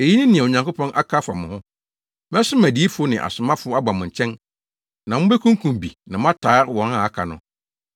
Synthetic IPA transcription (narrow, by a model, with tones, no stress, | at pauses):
e˨ji˦nɪ̃˦nĩ˨ɛ̃˨o˨ɲã˨kʊ˦pɔ̃˦nʔa˦kʰa˦fa˨mʊ̃˨hʊ̃˦ | mɛ̃˦sʊ˦mæ˨di˨˦fʊ˦nɪ̃˨ʔa̰˨sʊ˨mã˦fʊ˦a˦ba˨mʊ̃˨ɲ̩˨t͡ɕʰɛ̃˦n | nã˨mʊ̃˦be˦kʰũ˦ŋ˦kʰũ˨m˨bḭ˨nã˨mã˦tʰaː˨˦wɔ̃˨na˨a˦kʰa˨nʊ̰̃˨